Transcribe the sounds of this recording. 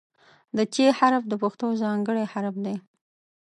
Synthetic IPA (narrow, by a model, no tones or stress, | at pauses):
d̪ət͡ʃehaɾfd̪əpaxt̪ozɑŋɡəɽehaɾfd̪e